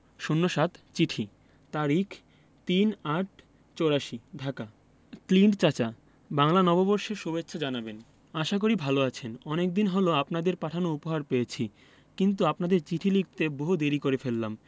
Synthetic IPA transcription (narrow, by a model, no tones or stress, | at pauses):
ʃunːoʃat̪t͡ɕiʈʰi | t̪aɾikʰ | t̪inaʈ̚ | t͡ɕoɾaʃiɖʱaka | kliɳɖt͡ɕat͡ɕa | baŋlanɔbobɔɾʃeɾʃubetːɕʰod͡ʑanaben | aʃak̬oɾibʱaloat͡ɕʰenɔnek̚d̪inɦoloapnad̪eɾpaʈʰanoupoɦaɾpejet͡ɕʰi | kint̪uapnad̪eɾt͡ɕiʈʰilik̚t̪eboɦud̪eɾikoɾefelːam